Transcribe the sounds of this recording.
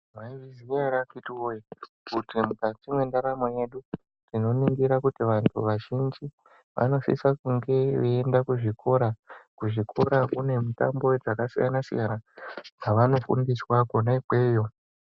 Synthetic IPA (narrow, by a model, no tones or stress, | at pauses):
mwaiʋiziaɾakitiwoikutimpat͡ʃimwe̞ndaɾamoje̞ɗu | tino̞niŋɡiɾakutiʋantʰṵʋaʒind͡ʒi | ʋʔa̰no̞sḭsakuŋɡe̞ʋeendakuʐikʰo̞ɾakuʐikʰo̞ɾakune̞mita̰mbo̞d͡zakasḭja̰nasḭjanad͡zaʋano̞fṵndiswakonaikweːjo